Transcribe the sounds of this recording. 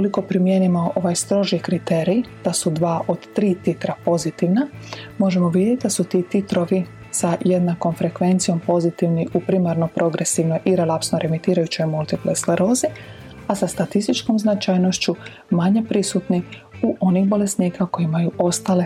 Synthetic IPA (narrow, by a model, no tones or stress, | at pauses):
koliko̞pɾimjenimo̞ʔoʋajst̪ɾo̞ʒikɾit̪eːɾijd̪̥asud̪ʋaːʔo̞d̪t̪ɾiːt̪it̪ɾapo̞zit̪iʋnamo̞ʒe̞mo̞ʋid̪jet̪ʲid̪asut̪iːt̪it̪ɾo̞ʋi | saje̞d̪nako̞mfɾe̞kʋe̞nt̪sijo̞mpo̞zit̪iʋniʔupɾimaɾno̞pɾo̞ɡɾe̞siʋno̞jʔiɾelapsno̞ɾʔe̞mit̪iːɾajut͡ɕo̞jmult̪iplesleɾo̞ːzi | asast̪at̪ist̪it͡ʃko̞mznat͡ʃajnoʃt͡ɕu | maɲe̞pɾisut̪ni | uʔo̞nixbo̞le̞sniːkako̞jimajuʔo̞st̪ale̞